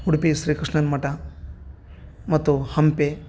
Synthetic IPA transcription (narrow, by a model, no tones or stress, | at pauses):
huɽpisɾiːkɾɨʂɳɐnmɐʈɐ | mɐt̪ːuhɐmpe